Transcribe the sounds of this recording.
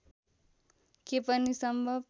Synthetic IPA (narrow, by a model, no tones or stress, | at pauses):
kepʌnisʌmbʱʌb